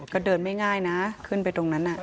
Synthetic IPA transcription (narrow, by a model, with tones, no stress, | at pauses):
kɔː˥˩dɤː˧nma˥˩jŋaː˥˩jna˦˥kʰɯ˥˩np̬a˧jt̪o˧ŋna˦˥nʔa˨˩ʔ